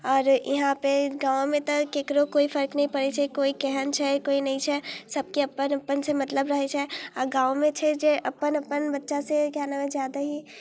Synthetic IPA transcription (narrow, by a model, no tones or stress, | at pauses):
ɔːɾjɐɦãpeɡãːõmẽt̪ɐeːkɾokoːifɐɾknɐɦĩpɐɾet͡ʃʰɛkoːikɛɦənt͡ʃʰɛkoːinɐɦĩt͡ʃʰɛsɐb̚keɐpːənɐpːənsemɐt̪ləbɾɐɦet͡ʃʰɛaɡãːomẽt͡ʃʰɛd͡ʒeʔɐpːənɐpːənbɐtːʃaseɡaːnamẽzjaːd̪aɦi